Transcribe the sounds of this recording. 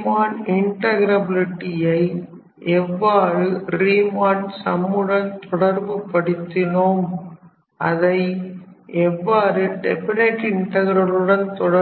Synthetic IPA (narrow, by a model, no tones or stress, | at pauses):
maːnɪɳʈɐɣɪɾɐbɪlɪʈːɪjɐɪ | ɛʋːaːɾɯɾiːmaːnsɐmːɯɽɐnt̪ɔɽɐɾbɯpɐɽɯt̪ːɪnoːm | ʔɐ̰ðɐɪ | ɛʋːaːɾɯɖɛpɐɾeːʈɪɳʈɐɣɪɾɐlɯɽɐnt̪ɔɽɐ